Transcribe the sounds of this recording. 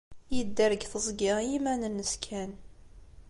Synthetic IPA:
jəd̪ːəɾəɡθəzˤɡɪʁjimænənːəskʰæn

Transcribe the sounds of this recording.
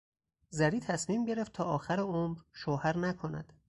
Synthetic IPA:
zæɾiːt̪ʰæsmiːmɟe̞ɾeft̪̚t̪ʰɒːʔɒːxæɾeomɾʃohæɾnækʰonæ̰d̪̥

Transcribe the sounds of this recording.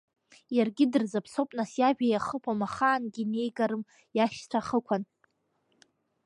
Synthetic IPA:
jarɡʲɪdɨrzapʰsopʼnasjaʒᶣajaχəpʰamaχaːnɡʲine̞jɡaɾɨm | jaʃt͡sʷʰaχəkʷʰan

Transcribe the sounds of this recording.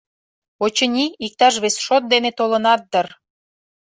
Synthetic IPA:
ot͡ɕənʲiik̚t̪ɑʃβesʃot̪̚d̪enet̪olənɑt̪̚d̪ər

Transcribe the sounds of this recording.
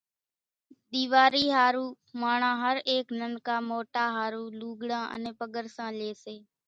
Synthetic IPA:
ɗ̪iːʋaːɾiːɦaːɾuː | maːɳãːɦəɾeːknənkaːmoːʈaːɦaːɾuːluːɡɽãːʔə̰nẽːpəɠəɾsãːleːseː

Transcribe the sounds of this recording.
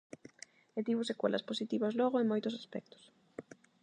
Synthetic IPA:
et̪iβʊsekwḛlʔɐ̰sposit̪iβɐzlɔɣoeŋmojt̪ʊsaspɛ̰k̚t̪ʊ̥s

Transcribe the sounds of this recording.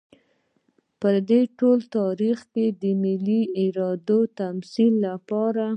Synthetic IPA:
pəd̪eʈolt̪ɑɾixked̪əmɪliɪɾɑd̪ot̪amsilːapɑɾa

